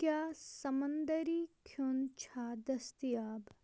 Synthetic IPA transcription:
kjaːsɐmɐnd̪ɐɾiːkʰjunt͡ʃʰaːd̪ɐst̪ijaːb

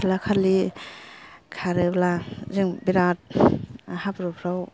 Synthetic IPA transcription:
lakʰaɾli | kʰaɾeblaziŋbiɾat̚ | habɾupʰɾaw

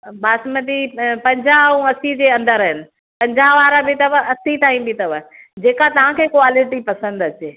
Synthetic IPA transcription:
baːsmɐd̪ipɐ̃ɲd͡ʑʱaũɐsid͡ʑeːɐ̃nd̪əɾɦɪnɪ̆ | pɐ̃ɲd͡ʑaʋaːɾabɪt̪ɐʋəɐsit̪aːĩbit̪ɐʋə | d͡ʑeːkat̪ɐʋ̤ãkʰeːkoaːlɪʈipɐsə̃nd̪ɐt͡ɕeː

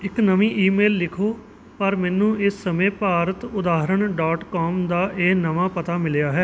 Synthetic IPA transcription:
ɪknəʋĩːʔiːmeːlːɪkʰoː | pəɾmɛ̃ːnũːɪsːəmẽːpaːɾət̪ʊd̪aːɦɾəɳɖaːʈkɔːmd̪aːʔeːnəʋaːpət̪aːmɪljaːɦɛː

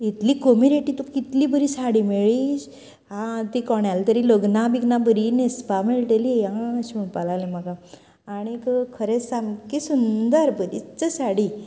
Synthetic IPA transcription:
it̪liːkomiɾeʈit̪ukit̪liːbəɾiːsaɽimeɭiɕ | ɦãt̪ikɔɳjalt̪əɾiləɡnabiɡnabəɾinespameɭʈeliãəɕimuɳpalalẽmakaː | ɽ̃ikkʰəɾesamkisund̪əɾbəɾḭt͡səsaɽi

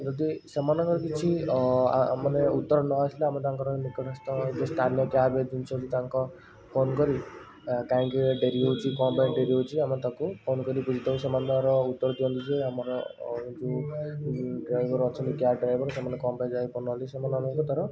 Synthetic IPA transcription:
d͡ʒɔd̪isemanɔŋkɔkit͡ʃʰia̰maneut̪ːɔɾɔnɔasleamɔt̪̬aŋkɔɾɔmikɔkʰast̪ɔd͡ʒest̪ʰanijɔʈjaɾbed͡ʒunt͡ʃʰɔd͡ʒut̪aŋkɔ | pʰonkɔɾi | kaĩŋkeɖeɾiɦot͡ʃʰikɔmbajnɖeɾiɦot͡ʃʰiamɔt̪akupʰonkɔɾipud͡ʒʱit̪ɔusemand̪aɾɔut̪ːɔɾɔd̪iɔ̃nt̪it͡ʃʰiamɔɾɔd͡ʒu | ɖɾajbʱɔɾɔt͡ʃʰɔnt̪iʈjaɾɖɾajbʱɔɾsemanekɔmbajd͡ʒajpʰonɦɔlisemanɔnɔŋkɔt̪ɔɾɔ

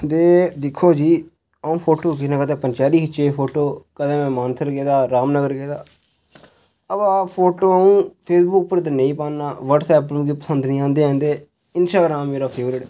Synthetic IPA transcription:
d̪eːd̪ɪkʰːoːd͡ʒiː | əũːpʰoːʈoːk̬ɪnãːkəd̪ẽːpənt͡ʃaːliːkɪt͡ʃeːpʰoːʈoːkəd̪ẽːmɛ̃ːmaːnsəɾɡeːd̪aːɾaːmnəɡəɾɡeːd̪aː | əbaːpʰoːʈoːəũːpʰeːsbʊk̚pəɾt̪ənəĩːpãːnːaːʋəɖsɛːpːlũːɡiːpəsənd̪nĩːãːnd̪eːãːnd̪eː | ɪnsʈaːɡɾaːmːeːɾaːpʰeːʋɾɪʈ

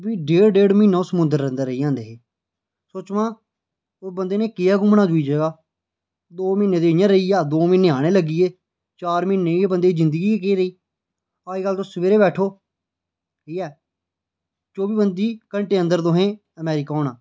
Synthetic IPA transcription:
biːɖeːɽɖeːɽminːõːsəmʊ̃nd̪əɾːə̃nd̪əɾəiːãːnd̪eːɦeː | soːt͡ʃʋãː | bənd̪eːneːkɪaːɡʊmnaːd͡ʒʊiːd͡ʒeːɡaː | d̪oːmiːnːeːd̪eːjãːɾəiːaːd̪oːmɪ̃nːeːaːɽ̃eːləɡiːeː | t͡ʃaːɾmɪnːeːbənd̪eːzɪ̃nd̪əɡiːekeːɾəiː | aːiːɡəlːt̪õːsəʋeːɾeːbɛːʈʰoː | kiːɛː | t͡ʃoːbiːbənd̪iːkəɳʈeːə̃nd̪əɾt̪oːɦẽː | əmɛːɾɪkaːoːnãː

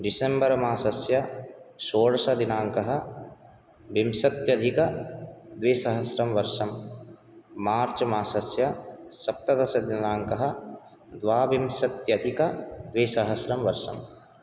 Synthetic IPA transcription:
ɖisembɐɾɐmaːsɐsjɐsoːɽɐsɐd̪inaːŋkɐɦɐ̆ | ʋimsɐt̪jɐd̪ʱikɐd̪ʋeːsɐɦɐsɾɐmʋɐɾʃɐmː | aːɾt͡ʃɐmaːsɐsjɐsɐp̚t̪ɐd̪ɐsɐd̪inaːŋkɐɦɐ̆ | d̪ʋaːʋimsɐt̪jɐd̪ʱikɐd̪ʋeːsɐɦɐsɾɐmʋɐɾʃɐ̰m

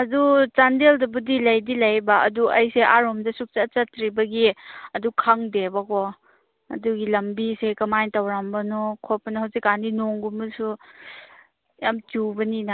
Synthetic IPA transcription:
ɐdut͡ʃandeldɐbudilɐjdilɐjbaɐ̰duʔɐjseʔaɾomdɐsuk̚t͡ʃat͡ʃɐtɾibɐɡiɐdukʰaŋdebakɔ | ɐ̰duɡilɐmbisekɐmajtawɾambɐnɔkʰɔpːɐnɐhɐwsikaninoŋɡumɐsu | jamt͡ʃubɐnina

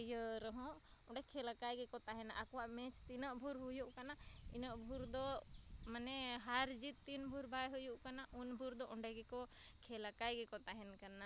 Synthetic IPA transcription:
jəɾɔɦɔ̃ʔ | ɔɳɖɛkʰɛlakajɡɛkɔt̪aɦɛnaʔakɔwaʔmɛt͡ʃt̪inəʔbʱuɾɦujuʔkana | ḭnəʔbʱuɾd̪ɔ | manɛɦaɾd͡ʒit̪ːinbʱuɾbʱajɦujuʔkanaʔunbʱuɾd̪ɔʔɔɳɖɛɡɛkɔ | kʰɛlakajɡɛkɔt̪aɦɛnkana

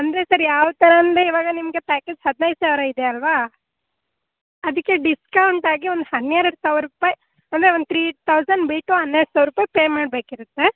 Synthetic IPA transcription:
ɐnd̪ɾe̞sɐɾjaːʋt̪ɐɾɐːnd̪eiʋaːɡɐnimɐɡe̞paːkeːd͡ʒhɐd̪nɐjd̪usaːʋɾɐid̪eɐlʋaː | ɐd̪ɐkːeɖiskɐwɳʈaːɡiond̪uɦɐnːejɾɐɽsaːʋɾupaːj | ɐnd̪ɐɾeont̪ʰɾiːt̪ʰɐwsɐnɖbiːʈːuɦɐnːeɾɖsaːʋɾupaːjpeːmaːɖ̚beːkiɾut̪ːe

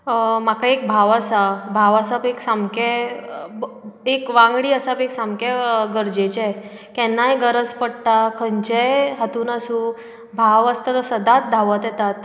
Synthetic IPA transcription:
makaek̚bʱaʋasabʱaʋasapeksamkɛ | ekʋãŋɡɽiːəsapeksamkɛɡəɾd͡ʑet͡ɕaj | kɛnːajɡəɾəd͡zpəɽʈ̪akʰəɲt͡ɕejɦət̪uːnəsũ | bʱaʋəst̪at̪ɔsəd̪at̪̚d̪ʱaʋət̪jɛt̪at̪

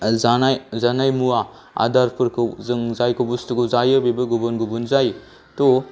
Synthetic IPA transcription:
aajzanajmua | a̰daɾpʰɯɾkʰɯwzɯŋzajkʰɐbustuɡuwzajɐbebɐɡubonɡubunzaj | to

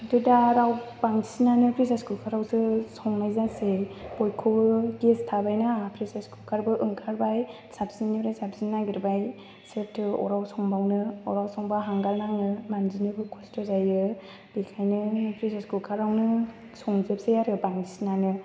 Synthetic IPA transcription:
tudaɾawbaŋsinanɯpɾisaskulkʰaɾawsɯsɔŋnajzasejbɔjkʰɔbɯɡestʰabajnaapʰɾisaskulkʰaɾbɯʔɯŋkʰaɾbaj | sabz̥inːiɾajsab̚zinːaɡiɾbaj | sep̚tʰɯɔ̰ɾawsɔŋbawnɯɔɾawsɔŋbaɦaŋɡalnaŋɯmanzinɯbɯkʰɔstʰɯzajɯ | bikʰajnɯpɾisaskulkʰaɾawnɯ | sɔŋzɯpsejaɾɯbaŋsinanɯ

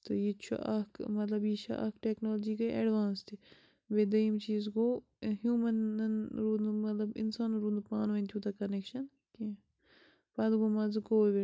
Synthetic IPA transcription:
t̪ojit͡ʃʰṵʔɐkmɐt̪lɐbjiʃʰa̰ʔɐkʈeknoːld͡ʒiːkɐeːɖʋaːnst̪ʰi | bed̪ɐimt͡ʃiːzɡoː | ɦjuːmɐnnɾuːnmɐt̪lɐbɪ̰nsaːnɾuːnd̪upaːnʋɐ̃nt̪ʰjuːt̪ɐkɐnekʃɐn | k̪i | pɐd̪ɡoːmɐzɐkoːʋe

